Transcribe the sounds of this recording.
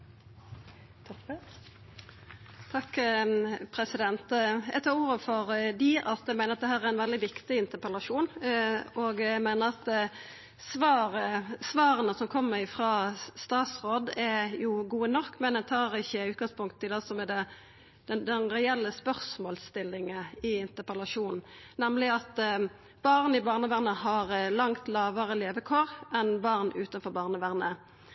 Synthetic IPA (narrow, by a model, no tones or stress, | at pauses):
t̪ʰɑk | pʰɾɛsɪd̪ɛnt̪æ̰t̪ʰɑːʁuːɾəfɔɾd̪ɪʔɑt̪æmæɪnəɾɑt̪̚ɛhæːɾæɾæɪnʋɛld̪ɪʋɪkt̪ɪɪnt̪əpəlɑʂuːnʔoːɡæmæɪnəɾɑt̪ | sʋɑːʁəsʋɑːʁənəsɔmkʰɔmːəɾɪfʁɑːst̪ɑːt̪sʁoːd̪ɛjʊɡuːənɔkːmɛnd̪ɛnt̪ʰɑːɾɪçːəʉːt̪̚ɡɑŋspʊŋkt̪ʰːɪld̪ɛsɔmɛd̪ɛ | d̪̥ɛnd̪ɛnʁɛɛlːəspœʁsmoːlst̪ɪlːɪŋəɪɪnt̪əʁpəlɑʂuːnn̩nɛmlɪɑt̪ | b̥ɑʁnəɪbɑːʁnəʋæʁnəɦɑʁlɑŋt̪lɑːʋəʁəleːʋəkʰoːʁʔɛnbɑʁnʉːt̪ənfɔɾbɑːʁnəʋæʁnə